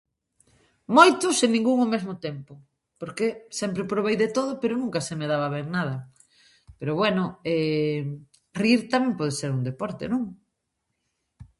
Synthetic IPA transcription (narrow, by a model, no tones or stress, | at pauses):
mojt̪ʊseŋnĩŋɡuŋomezmʊt̪ɛmpʊ | poɾkesɛmpɾepɾoβ̞ejðet̪oðʊpeɾʊnũŋkɐsemeðaβɐβɛŋnað̞ɐ | peɾoβwɛnʊɛ | riɾt̪amɛ̃ŋpɔð̞eseɾund̪epɔɾt̪ḛnõŋ